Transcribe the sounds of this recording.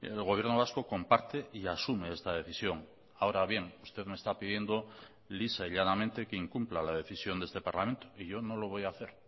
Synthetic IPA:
ḛlɣoβje̞ɾno̞βasko̞ko̞mpaɾt̪e̞ʔiasume̞est̪að̞e̞θisjo̞ŋ | aoɾaβje̞ŋust̪e̞ðmest̪apiðje̞nd̪o̞ | lisaiʎanament̪e̞keiŋkumplalaðe̞θisjond̪est̪e̞paɾlament̪oiʝo̞no̞lo̞βo̞jaːθe̞ɾ

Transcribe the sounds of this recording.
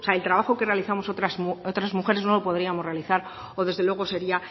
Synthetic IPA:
seaelt̪ɾaβaxo̞ke̞re̞aliθamosot̪ɾasot̪ɾazmuxe̞ɾe̞zno̞lo̞po̞ð̞ɾiamo̞zre̞aliθaɾ | o̞ðe̞zðe̞lwe̞ɣ̞o̞se̞ɾia

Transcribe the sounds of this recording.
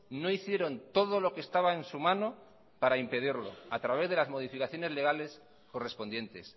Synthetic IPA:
no̞iθje̞ɾo̞nt̪o̞ð̞o̞lo̞kest̪aβ̞ae̞nsumãno̞ | paɾaimpe̞ð̞iɾlo̞̰at̪ɾaβ̞e̞zðe̞lazmo̞ð̞ifikaθjo̞ne̞zle̞ɣ̞ale̞s | ko̞re̞spo̞nd̪je̞nt̪e̞s

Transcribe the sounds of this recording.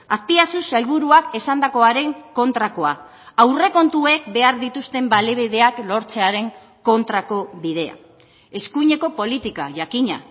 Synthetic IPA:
aspiasusalβ̞uɾuake̞sand̪ako̞aɾe̞ŋko̞nt̪ɾako̞a | awre̞ko̞nt̪ue̞kbe̞aɾðit̪ust̪e̞mbale̞β̞iðe̞aklo̞ɾt͡se̞aɾe̞ŋ | ko̞nt̪ɾako̞βið̞e̞a̰ | e̞skuɲe̞ko̞po̞lit̪ika̰ʝakiɲa̰

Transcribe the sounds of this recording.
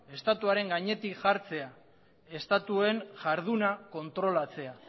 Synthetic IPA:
e̞st̪at̪uaɾe̞ŋɡaɲe̞t̪ikʝaɾt͡se̞a | e̞st̪at̪ue̞ŋʝaɾð̞unako̞nt̪ɾo̞lat͡se̞a

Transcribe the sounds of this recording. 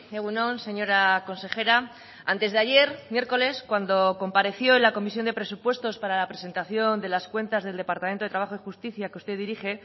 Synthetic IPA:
eɣunõ̞nse̞ɲo̞ɾako̞nse̞χe̞ɾa | a̰nt̪e̞zðeaʝe̞ɾmje̞ɾko̞le̞skwand̪o̞ko̞mpaɾe̞θjo̞enlako̞misjo̞nd̪e̞pɾe̞supwe̞st̪o̞spaɾalapɾe̞se̞nt̪aθjo̞nd̪e̞laskwe̞nt̪azðe̞ld̪e̞paɾt̪amnt̪ot̪ɾaβaχo̞ixust̪iθjakeust̪e̞ðiɾixe̞

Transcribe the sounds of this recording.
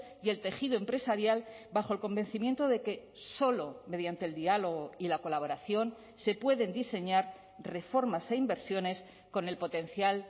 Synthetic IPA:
je̞lt̪e̞xiðoe̞mpɾe̞saɾjal | baxo̞e̞lko̞mbẽ̞n̟θimje̞nt̪oðe̞ke̞ | so̞lo̞me̞ðjant̪eld̪ialo̞ɣoilako̞laβ̞o̞ɾaθjo̞n | se̞pwe̞ðe̞nd̪ise̞ɲaɾ | re̞fo̞ɾmase̞imbe̞ɾsjo̞ne̞s | ko̞ne̞lpo̞t̪e̞n̟θjal

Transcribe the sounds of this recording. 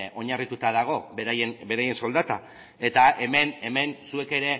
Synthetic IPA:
o̞ɲarit̪ut̪að̞aɣ̞o̞beɾajenbe̞ɾaje̞nso̞ld̪at̪a | e̞t̪ae̞me̞ne̞me̞nsue̞ke̞ɾe̞

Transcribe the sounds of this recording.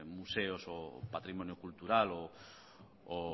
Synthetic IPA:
museosopat̪ɾimõnjokult̪uɾalo | o

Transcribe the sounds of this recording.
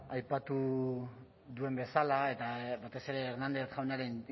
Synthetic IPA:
ajpat̪u | ðue̞mbe̞salaet̪aβat̪e̞se̞ɾe̞ːɾnand̪eθʝawnaɾen

